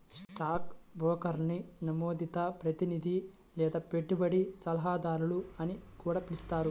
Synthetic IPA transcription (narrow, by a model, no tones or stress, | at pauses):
sʈaːkbɔːkɐɾninɐmoːd̪it̪ɐpɾɐt̪inid̪ʱi | lɛːd̪aːpe̞ʈːubɐɽisɐlɐɦaːd̪aːɾuluɐnikuːɽaːpilist̪aːɾu